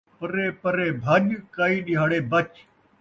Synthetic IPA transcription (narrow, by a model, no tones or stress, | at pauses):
pəɾeːpəɾeːbʱəɗkaːiːɗɪɦaːɽeːbət͡ʃ